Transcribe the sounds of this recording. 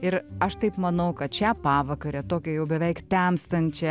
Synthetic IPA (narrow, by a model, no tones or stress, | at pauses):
ɪɾɐʃt̪ɐɪpmɐnɐʊkɐt̪̚t͡ʃʲæpɑːʋɐkɐɾʲɛt̪oːkʲɛjɛʊbʲɛʋʲɛɪkt̪ʲæmst̪ɐnʲt͡ʃʲɛ